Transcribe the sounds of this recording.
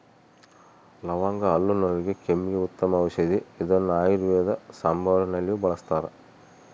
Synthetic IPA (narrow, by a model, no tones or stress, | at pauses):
lɐʋaːŋɡɐɐlːunoːɾiɡekemːiɡeut̪ːɐmɐːʋɐʃɐd̪iid̪ɐnːuaːjiɾuɛɐd̪ɐsambʱɐʋɾɐnɐlːijubɐɭɐst̪aːɾe